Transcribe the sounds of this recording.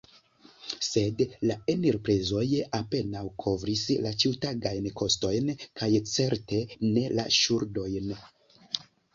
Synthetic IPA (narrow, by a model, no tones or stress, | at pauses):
se̞dlaeniɾpɾezo̞jape̞nawkʰo̞vɾislat͡ʃiwtaɡajnkʰo̞sto̞jnkʰajt͡se̞ɾte̞ne̞la̰ʃuɾdo̞jn